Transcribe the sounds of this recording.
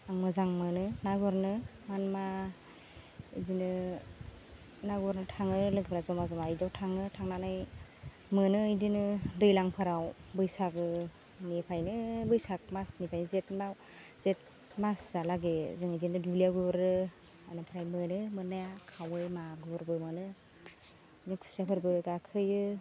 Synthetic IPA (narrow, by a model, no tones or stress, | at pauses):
aŋmɯzaŋmɯnɯnaɡɔɾnɯ | manma | idinɯ | naɡɔɾnɯtʰaŋɯlɯɡbʰɾazɔmazɔmaijdawtʰaŋɯtʰaŋnanɯj | mɯnɯɯjdinɯdɯjlaŋpʰɯɾawbɯjsakɯ | nipʰajnɯbɯjsak̚masnipʰajnɯzetmaw | z̥et̚ | masz̥alaɡezɯŋɯdinɯdulijaɡɯbɾɯ | anɯpʰɾajmɯnɯmɯnːajakʰawɯjmaɡɯbɯɾbɯmɯnɯ | ikʰu̥sapʰɯɾbɯɡakʰɯjɯ